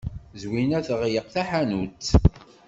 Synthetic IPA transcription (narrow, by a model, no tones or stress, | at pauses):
zwinæθəʁjəqθæħanut͡s̪ː